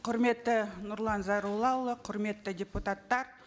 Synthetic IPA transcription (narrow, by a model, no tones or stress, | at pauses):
qʰʊɾme̞t̪ːɪnʊɾlˠɑnzɑɾulˠɑwlˠəqʰʊɾme̞t̪ːɪdʲeput̪at̪ːɑɾ